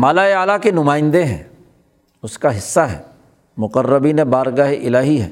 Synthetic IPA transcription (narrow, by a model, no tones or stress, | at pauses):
maːlaeaːlakenʊmaːɪ̃nd̪eɦɛ̰̃ː | ʊskaɦɪsːaɦɛ̰ː | mʊqərːəbinẽbaːɾɡaːɦeʔɪlaːɦiɦɛ̰ː